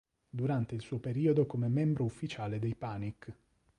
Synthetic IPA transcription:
d̪uɾant̪eilsuːopeɾiːod̪okomemɛmbɾoufːit͡ʃaːled̪ejpaːnikː

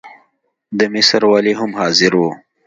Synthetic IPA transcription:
d̪əmisəɾwaːliɦʊmhɑːzɪɾwoː

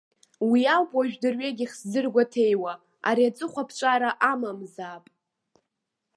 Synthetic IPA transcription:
wiawpʼaʒᶣdɨrɥeɡʲiχszɨrɡʷatʰe̞jwa | a̰ɾiat͡sʼɨχʷapʰt͡ʃʷʼaɾaʔamamzaːpʼ

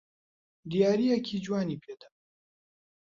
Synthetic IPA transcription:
d̪ijaːɾijɛkʰid͡ʒwaːniːpʰeːt̪ʰɐ̥

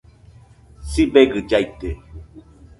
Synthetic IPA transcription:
sibɛɡɨd͡ʒait̪e

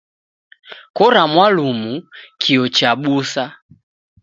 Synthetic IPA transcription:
kɔɾamwalumukʰiɔt͡ʃaɓusa

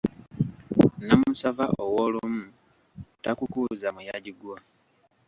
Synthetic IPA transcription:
namusavaʔowoːlumu | takukuːzamujaɟiɡwa

